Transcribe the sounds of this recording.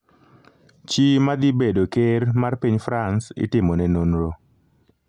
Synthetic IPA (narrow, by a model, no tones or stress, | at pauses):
t͡ʃimad̪ibedokermarpiɲfɾansɪ̰tɪmɔnɛnonɾo